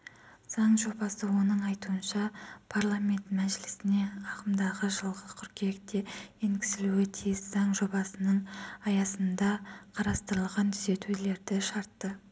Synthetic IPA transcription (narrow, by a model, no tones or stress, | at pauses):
z̥ɑɴʒo̞bɑsəwo̞nəɴɑjt̪uənʃɑpʰaɾlˠamʲe̞nt̪mæʒɪlɪsɪne̞ɑqəmd̪ɑʁəʒəlˠʁəkʲʰʏɾkʲek̚t̪e̞eŋɡʲɪ̥sɪluɪt̪ʰijɪszɑɴʒo̞bɑsənəɴɑjɑsənd̪ɑqʰɑɾɑst̪əɾəlˠʁɑnt̪ʰʏ̥ze̞t̪ule̞ɾd̪ɪʃɑɾt̪ːə